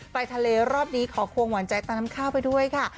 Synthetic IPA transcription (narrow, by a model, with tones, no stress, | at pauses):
pa˧jt̪ʰa˧leː˧ɾɔː˥˩p̚niː˦˥kʰɔː˩˦kʰu˧əŋwa˩˦nt͡ɕa˧jt̪aː˥˩na˦˥mkʰaː˥˩wpa˧jdu˥˩əjkʰa˥˩